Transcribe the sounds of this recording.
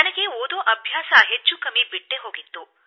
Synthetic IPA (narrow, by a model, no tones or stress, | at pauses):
anəkeod̪õʔɐbʱjaːsaːɦet͡ʃukəmipiʈːeɦoɡit̪ːo